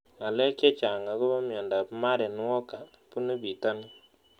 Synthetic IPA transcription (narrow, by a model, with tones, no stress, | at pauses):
a˨lɛ˦kje˦t͡ʃa˨ŋa˨ko˦βa˦mja˨nda˨pma˦ɾɛ˨n˦wɔ˦ka˨ | pu˦ne˦bi˨ta˦n˦